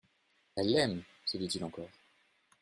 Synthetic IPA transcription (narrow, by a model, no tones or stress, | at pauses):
ɛlːɛm | səd̪it̪ilɑ̃kɔːʁ